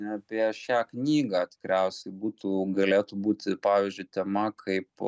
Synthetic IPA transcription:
nʲɛɐpʲiɛʃʲæːknʲiːɡɑːt̪ʲɪ̥kɾʲɛʊsʲɛɪbuːt̪uːɡɐlʲeːt̪ubuːt̪ʲɪpɑːʋʲiːzʲd͡ʒʲʊɪt̪ʲɛmɐkʰɐɪp

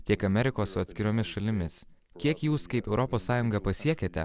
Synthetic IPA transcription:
t̪ʲiɛkɐmʲɛɾʲɪkoːssʊɐt̪ʲsʲkʲɪɾʲoːmʲɪsʃɐlʲɪmʲɪs | kʲiɛkjuːskɐɪpɛʊɾɔpoːsːɑːjʊŋɡɐpɐsʲiɛkʲeːt̪ʲɛ̰

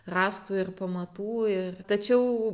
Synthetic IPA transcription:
rɑːst̪uːɪrpɐmɐt̪uːɪrt̪ɐt͡ʃʲɛʊ

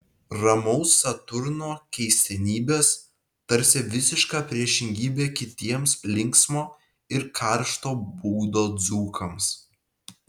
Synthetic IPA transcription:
ɾɐmɔʊsːɐt̪ʊɾnoːkʲɛɪsʲt̪ʲɛnʲiːbʲeːs | t̪ɐɾʲsʲɪʋʲɪsʲɪʃkɑːpʲɾʲiɛʃʲɪŋʲɡʲiːbʲeːkʲɪt̪ʲiɛmslʲɪŋksmoː | ɪɾkʰɐˑɾʃt̪oːbuːd̪oːd̪zuːkʰɐms

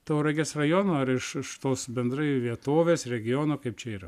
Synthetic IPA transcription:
t̪oːɾɐɡʲesrɐjoːnoːɐɾɪʃɪʃt̪oːsbʲɛnd̪ɾɐɪʋʲiɛt̪oːʋʲeːsɾʲɛɡʲɪjonoːkɐɪp̚t͡ʃʲɛiːɾɐ

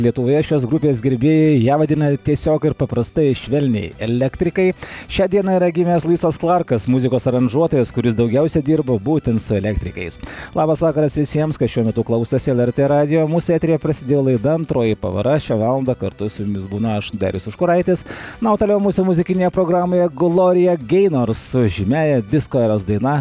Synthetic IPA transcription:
lʲiɛt̪ʊʋoːjɛʃʲoːsɡɾʊpʲeːs̬ɡʲɪɾʲbʲeːjejæːʋɐd̪ʲɪnɐt̪ʲiɛsʲoːkɪɾpɐpɾɐst̪ɐɪʃʲʋʲɛlʲnʲɛ̰ɪɛlʲækt̪ʲɾʲɪkɐɪʃʲæːd̪ʲiɛnɐiːɾɐɡʲɪmʲeːslˠʊɪsɐsklˠɐɾkɐsmʊzʲɪkoːsɐɾɐnʒuɔt̪oːjɛskʊɾʲɪsd̪ɐʊɡʲæʊsʲɛd̪ʲiːɾbobuːt̪ʲɛnt̪sʊɛlʲækt̪ʲɾʲɪkɐ̰ɪslˠɑːbɐsʋɑːkɐɾɐsʋʲɪsʲiɛmskɐɪʃʲuɔmʲɛt̪ʊklˠɐʊsʲɛsɛlʲˠɛɾʲt̪ʲeɾɑːd̪ʲɪjomuːsʊæːt̪ʲɾʲɪjɛpɾɐsʲɪd̪ʲeːjoːlˠɐɪd̪ɐɐnt̪ɾoːjipɐ̰ʋɐ̰ɾɐʃʲæʋɑːlˠɐnd̪ɐkɐɾt̪ʊsjʊmʲɪsbuːnɐɐʃd̪ɑ̰ːɾʲʊsʲʊʃkʊɾɐɪt̪ʲesnɐʊt̪ɐːlʲɛʊmuːsʲʊmʊzʲɪkʲɪnʲeːjɛpɾoːɡɾɑːmoːjɛɡlˠoːɾʲɪjɛɡʲɛɪnoɾssʊʒʲɪmʲæːjɛd̪ʲɪskoːɛɾoːsd̪ɐɪnɐ

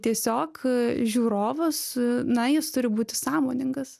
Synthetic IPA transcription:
t̪ʲiɛsʲoːkʒʲuːɾoːʋʊsnɐjɪst̪ʊɾʲɪbuːt̪ʲɪsɑːmoːnʲɪŋɡɐs

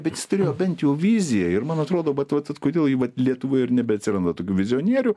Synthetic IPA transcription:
bʲɛt̪jɪst̪ʊɾʲeːjoːbʲɛnʲt̪jɛʊʋʲizʲɪjɛɪrmɐnɐt̪ɾoːd̪oːbɐt̪ʋɐt̪ɐt̪koːd̪ʲeːlˠjɪʋɐt̪lʲiɛt̪ʊʋoːjɪrnʲɛbʲɛɐt̪ʲsʲɪɾɐnd̪ɐt̪oːkʲuːʋʲɪzʲɪoːnʲiɛɾʲʊː

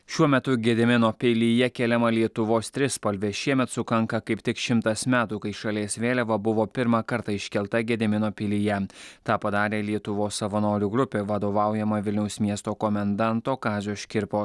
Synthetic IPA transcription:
ʃʲuɔmʲɛt̪ʊɡʲɛd̪ʲɛmʲɪnoːpʲelʲijɛkʲeːlʲɛmɐlʲiɛt̪ʊʋoːst̪ʲɾʲɪspɐlʲʋʲeːʃʲiɛmʲɛt̪sʊkɐŋkɐkɐɪpʲt̪ʲɪkʃʲɪmt̪ɐsmʲæːt̪uːkɐɪʃɐlʲeːsʋʲeːlʲɛʋɐbʊʋoːpʲɪɾmɑkɐɾt̪ɐɪʃʲkʲɛlˠt̪ɐɡʲɛd̪ʲɪmʲɪnoːpʲɪlʲijɛt̪ɑːpɐd̪ɑːɾʲeːlʲiɛt̪ʊʋoːsːɐʋɐnoːɾʲuɡɾʊpʲeːʋɐd̪oːʋɑˑʊjɛmɐʋʲɪlʲnʲɛʊsmʲiɛst̪oːkɔmʲɛnd̪ɑˑnt̪oːkɑːzʲoːʃʲkʲɪɾpoːs

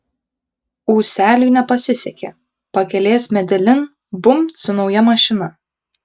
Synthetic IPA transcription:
uːsʲæːlʲuːnʲɛpɐsʲɪsʲɛkʲeː | pɐkʲɛlʲeːsmʲɛd̪ʲɛlʲɪn | bʊmt̪sʊnɒʊjɛmɐʃʲɪnɐ

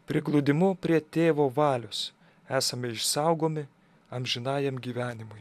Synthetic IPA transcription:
pʲɾʲɪɡlˠʊd̪ʲɪmʊpʲɾʲiɛt̪ʲeːʋoːʋɑːlʲʊs | æːsɐmʲɪɪʃsɑʊɡoːmʲɪ | ɐmʲʒʲɪnɑːjɛmɡʲiːʋʲæːnʲɪmʊj

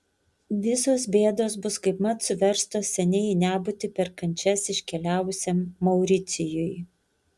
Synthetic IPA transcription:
ʋʲɪsoːsbʲeːd̪oːs̬bʊskɐɪpmɐt̪sʊʋʲɛɾst̪oːsːʲɛnʲɛɪnʲæːbʊt̪ʲɪpʲɛɾkɐnʲt͡ʃʲɛsɪʃʲkʲɛlʲæːʋʊsʲɛmːɐʊɾʲɪt̪sʲɪjʊj

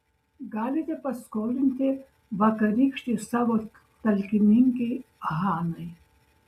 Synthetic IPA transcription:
ɡaːlit̪epɐskoːlint̪ʰe | ʋɐkɐɾikʂʈ̪isɐʋɐk | t̪ɐlkimiŋkiɐɦaːnɐj

